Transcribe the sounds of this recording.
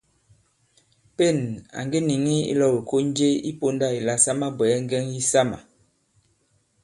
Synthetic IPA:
pe˦˨na̰˨ŋɡe˦ni˨ŋi˦ḭ˦lɔ˦˨wi˨ko˦n˦d͡ʒe˦ḭ˦po˦nda˦˨i˨la˦sa˦ma˦bɛ˨ɛ˦ŋ˦ɡɛ˦ŋji˦sa˦ma̰˨

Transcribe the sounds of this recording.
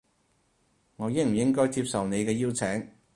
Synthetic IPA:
ŋɔː˨˧jɪ˥ŋ̚m̩˨˩jɪ˥ŋkɔː˥jt͡si˧p̚sɐ˨wne˨˧jkɛː˧jiː˥wt͡sʰɛː˨˥ŋ

